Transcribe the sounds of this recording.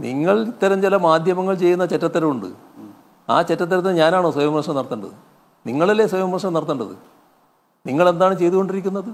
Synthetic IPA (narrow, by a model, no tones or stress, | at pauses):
niŋːɐɭit̪ːɐɾɐmt͡ɕilɐmaːd̪ʱjɐmɐŋːɐɭt͡ɕe̞jːunːɐt͡ɕetːɐt̪ːɐɾɐmuɳɖɨ̰ | a̰ːt͡ɕetːɐt̪̬ːɐɾɐt̪ːinɨɲaːnaːɳoːswɐjɐmɐʂɐmnɐrɐt̪ːuɳɖɐ̰ðɨ̰ | niŋːɐɭɐlːeswɐjɐmɐʂɐmnɐɾɐt̪ːɐɳɖɐðɨ̰ | niŋːɐɭe̞nd̪aːɳɨt͡ɕe̞jt̪uɣo̞ɳɖiɾik̬ʲːunːɐðɨ